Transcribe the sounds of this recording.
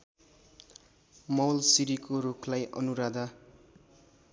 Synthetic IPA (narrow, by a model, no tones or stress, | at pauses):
mʌwlsiɾikoɾukʰlajʔʌ̰nuɾad̪a